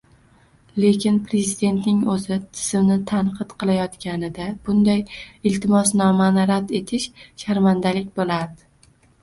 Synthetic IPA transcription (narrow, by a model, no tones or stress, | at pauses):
le̞kʲɪnpɾe̞zid̪e̞nt̪nɪŋɵzɪt̪ʰɪ̥z̥ɪmnɪt̪ʰanqʰɨt̪qʰɨlˠajɒt̪kʲanɪd̪ab̥ʊnd̪ajɪlt̪ʰɪmɒsnɒmanɪɾad̪e̞t̪ʰɪʃʃaɾmand̪alɪk̚ʲbolaɾd̪ɪ